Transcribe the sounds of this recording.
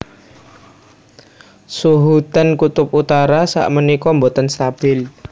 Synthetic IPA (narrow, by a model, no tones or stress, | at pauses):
suɦut̪ankut̪ʊp̚ut̪aɾasa̰ʔmənikɔmbot̪ənst̪ab̥ɪl